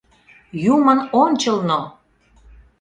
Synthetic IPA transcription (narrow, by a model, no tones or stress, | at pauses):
jumənonʲt͡ɕəlno